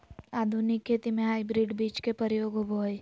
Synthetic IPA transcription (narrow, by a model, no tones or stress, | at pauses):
aːd̪ʱunɪkʰːeːt̪imẽɦaːjbɾiɖbiːt͡ʃkepəɾjoːɡobʱoːj